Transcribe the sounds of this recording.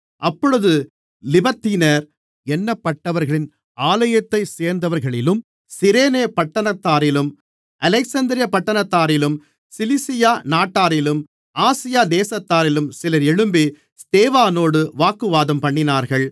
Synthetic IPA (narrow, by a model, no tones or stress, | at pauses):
ʔɐpːɔɻɯðɯ | lɪbɐt̪ːiːnɐɾ | ɛnːɐpːɐʈːɐʋɐɾɣɐɭɪn | aːlɐjɐt̪ːɐɪseːɾnd̪ɐʋɐɾɣɐɭɪlɯm | sɪɾeːneːpɐʈːɐnɐt̪ːaːɾɪlɯm | ʔɐlɐɪksɐnd̪ɪɾɪjɐpɐʈːɐnɐt̪ːaːɾɪlɯm | sɪlɪsɪjaːnaːʈːaːɾɪlɯm | aːsɪjaːd̪eːsɐt̪ːaːɾɪlɯmsɪlɐɾɛɻɯmbi | st̪eːʋaːnoːɽɯʋaːkːɯʋaːðɐmpɐɳːɪnaːɾɣɐɭ